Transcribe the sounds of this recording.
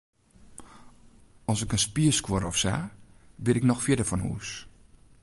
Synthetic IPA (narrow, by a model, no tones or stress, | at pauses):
ɔsɪkənspiəskwoɾɔfsa̰bɪɾɪknɔxfjɪdəfɔnhṵːs